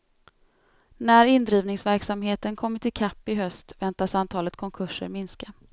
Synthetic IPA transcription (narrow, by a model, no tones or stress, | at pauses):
næɾɪnd̪ɾiːvnɪŋsvæɾksamɦeːt̪ənkʰɔmːəʈʰɪlkʰapːɪɦœst̪vɛnt̪asant̪ʰɑːlət̪kʰɔŋkʰɵʂːə̰ɾmɪnska